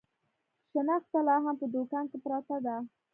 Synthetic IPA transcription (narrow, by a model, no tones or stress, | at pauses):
ʃənɑxt̪alɑɦampəd̪okɑnkepɾɑt̪ad̪a